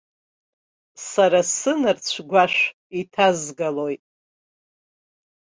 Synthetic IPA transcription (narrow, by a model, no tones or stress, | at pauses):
saɾasɨnɨrt͡ɕʷʰɡʷaʂʃ | itʰazɡalojtʼ